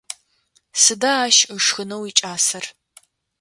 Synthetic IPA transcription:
sɨdaːʃəʂxɨnɐwiːt͡ʃʼaːsɐr

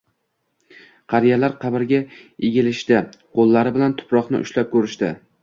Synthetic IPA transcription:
qʰɑɾijalaɾqʰɑbɪɾɡʲaeɡʲɪlɪʃt̪ɪqʰolˠːaɾɪbɪlant̪ʰʊ̥pɾɒqnɪ̰ʔʊ̰ʃlap̚kʰɵɾɪʃt̪ɪ

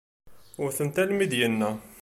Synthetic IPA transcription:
ʊɾθənt̪ælmid̪jənːæ

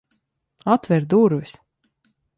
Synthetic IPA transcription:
at̪vɛɾd̪uɾvis

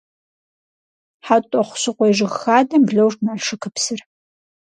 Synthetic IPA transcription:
ħatʷʼɔχʷʊ̥sɨqʷɔjʐɨʁxaːdɐmbɮɐwʂtnaɬʂɨkʰɨpsɨr

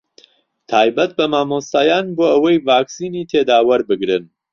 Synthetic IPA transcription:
t̪ʰaːjbɐt̪̚bɐmaːmost̪aːjaːnboːʔɐwɐjvaːksiːniːt̪ʰeːd̪aːwɐɾbɨɡɾɨn

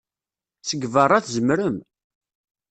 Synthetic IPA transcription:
səɡvərˤːaθzəmɾəm

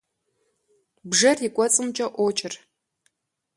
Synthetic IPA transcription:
bʐɐrɪkʷʼɔt͡sʼɨmt͡ʃʼɐʔʷɔt͡ʃʼɪr

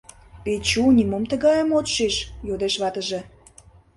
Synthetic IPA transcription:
pet͡ɕunʲimomt̪ə̆ɣɑjəmot̪ʃeʃjod̪eʃβɑt̪əʒĕ

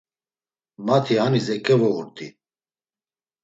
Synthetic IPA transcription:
mat̪ʰihanizɛkʼɛvɔuɾt̪ʼi

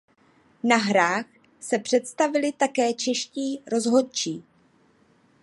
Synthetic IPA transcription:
naɦɾaːx | sɛpr̝̥ɛt̪st̪avɪlɪt̪akɛːt͡ʃɛʃciːɾo̞zɦo̞t̪̚t͡ʃiː

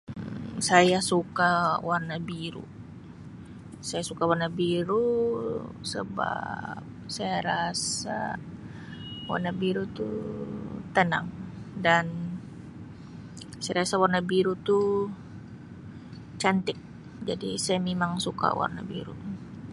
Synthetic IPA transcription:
sajasukawarnabiɾṵ | sajasukawarnabiɾu | sə̰ba̰p̚sajaɾasa̰ | wa̰rnabiɾut̪ṵ | t̪əna̰ŋdan | sajɾasawarnabiɾut̪u | t͡ʃant̪ɪk̚ | d͡ʒadisajamemaŋsuka̰wa̰rna̰bḭɾṵ

